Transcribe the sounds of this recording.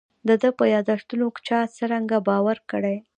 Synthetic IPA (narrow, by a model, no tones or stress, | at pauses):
d̪əd̪əpəjɑd̪aʂt̪unokt͡ʃɑt͡səɾaŋɡabɑwaɾkəɽaj